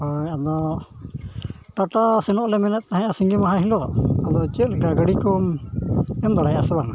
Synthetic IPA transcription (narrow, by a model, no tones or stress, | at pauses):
ɔɲad̪ɔ | ʈaʈasɛnɔʔlɛmɛnɛt̪̚ˀt̪aɦãasiŋɡimaɦãɦilɔad̪ɔt͡ʃət̪̚lɛkaɡəɽikɔm | ɛmd̪aɽajasɛbaŋa